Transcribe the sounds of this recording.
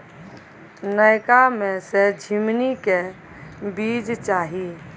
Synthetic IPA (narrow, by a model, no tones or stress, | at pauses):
nəjkamẽsed͡ʒʱimnike | biːd͡ʒt͡ʃaːɦi